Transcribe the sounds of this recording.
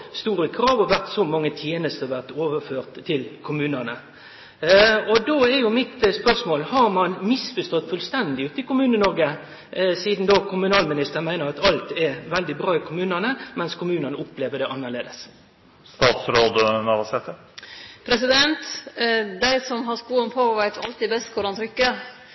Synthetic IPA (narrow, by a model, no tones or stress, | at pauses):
st̪uːɾəkʰɾɑːʋɔʋæɾt̪sɔmɑŋːət̪ʰjeːnəst̪əɔʋæʁt̪oːʋəføːʁt̪ʰːɪlkʰʊmʉːnənə | ɔd̪oːɛɾjʊmɪt̪spœʁʂmoːlhɑɾmɑnmɪsfɔst̪ɔt̪ːfʉlst̪ɛnd̪ɪʉːt̪ɪkʊmʉːnənɔɾɡə | siːd̪n̩d̪oːkʰʊmʉnɑːlmɪnɪst̪əɾmæɪnəɾɑt̪ɑlt̪ɛɾʋɛld̪ɪbɾʁɑːɪkʰʊmʉːnənəmɛnskʰʊmʉːnənəʊpleːʋəɖ̪ɛʔɑnːəʁɭeːd̪əs | st̪ɑːt̪sɾoːd̪ənɑʋɑsɛt̪ːə | pʰɾɛs̬ɪd̪ɛnt̪ | d̪æɪsɔmɦɑskuːənpʰɔɔʋæɪt̪ɑlt̪ɪbɛst̪kʰʊɾɑnt̪ʰɾʏkːə